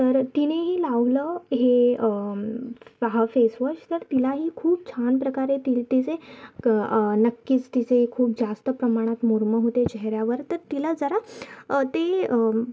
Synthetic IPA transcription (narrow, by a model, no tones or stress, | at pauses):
t̪əɾt̪ineɦiːlaʋləɦe | ʋaɦafesʋəɕt̪əɾt̪ilaɦiːkʰuːp̚t͡ɕʰanpɾəkaɾet̪ilt̪it͡se | nəkːit͡st̪it͡seɦikʰuːp̚d͡zast̪əpɾəmaɽ̃at̪muɾməɦot̪et͡ɕɛɦɾjaʋəɾt̪əɾt̪ilad͡zəɾat̪eə